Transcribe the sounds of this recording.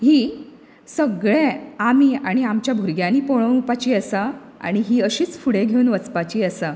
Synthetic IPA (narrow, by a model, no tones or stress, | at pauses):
hiː | səɡɭeamiːaɽ̃iamt͡ɕjabʱuɾɡjãniːpoɭəpat͡ɕiːəsə | a̰ɽ̃iɦiːəɕiːt͡sfuɽeɡʱeunʋət͡spat͡ɕiːəsə